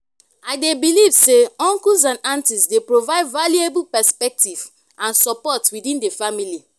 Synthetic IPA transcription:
aɪdebilivseɔ̃ŋkus̬ãnãntisdepɹovaɪdvaliebulpɛspɛk̚tiv | ãnsɔpɔtwidĩndefamili

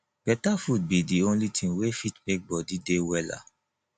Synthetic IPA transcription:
b̥ɛtafud̚bidiõnlitʰĩŋwefitmek̚bɔdidewɛla̰

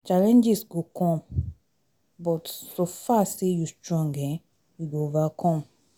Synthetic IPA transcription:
t͡ʃalɛ̃nd͡ʒisɡokʰɔ̃m | bɔtsofasejustɹɔ̃ŋɡɛ̃ | juɡoovakʰɔ̃m

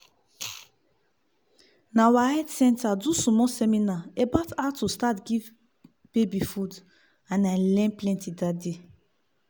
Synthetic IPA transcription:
nawahɛdsɛ̃ntadusɔmɔsɛminaebatatustatɡiv | b̥ebifud | ãnãlɛ̃nplɛ̃ntidade

